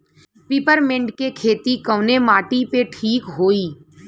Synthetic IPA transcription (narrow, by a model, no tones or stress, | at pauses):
piːpəɾmɪ̃ɳɖkekʰeːt̪ikəʊnemaːʈipeʈʰiːkɦoːiː